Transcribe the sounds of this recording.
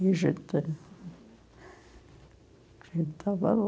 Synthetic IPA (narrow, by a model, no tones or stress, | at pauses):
isit̪ːen | silt̪ʰɑʋɑ̰lː